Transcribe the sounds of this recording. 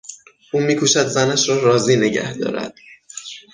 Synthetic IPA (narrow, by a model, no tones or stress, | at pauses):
ʔuːmiːkʰuːʃæd̪zænæʃɾɒːɾɒːziːne̞ɟæ̰hd̪ɒ̰ːɾæ̰d̪̥